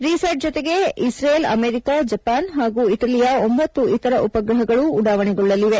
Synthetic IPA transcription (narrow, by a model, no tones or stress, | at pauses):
ɾisɐɾʈ̚d͡ʒɔt̪e̞ɡe̞isɾeːlɐ̰meːɾikad͡ʒɐpaːnɦaːɡuːiʈɐlijaombɐt̪ːuʔit̪ɐɾɐʔupɐɡɾɐɦɐɡɐɭuːɽaːʋɐɳeɡɔɭːɐliʋe̞